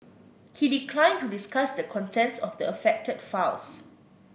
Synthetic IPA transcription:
hidikʰlãɪ̃ntudiskasdəkʰɔ̃ntʰɛ̃nsɔfdəəfɛk̚tədfals

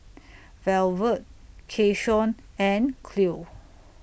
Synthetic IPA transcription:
vɛlvət̚kʰeʃɔ̃nɛ̃nkʰlu

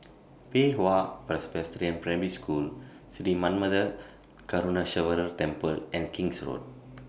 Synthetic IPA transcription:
peɦoapɾɛsbɛstɾiə̃npɾɛ̃ɹiskʰul | sidimãnməd̪ə | kaɾunaʃəvəɾət̪ɛ̃mpəlɛ̃nkĩŋsɹo̰d̚

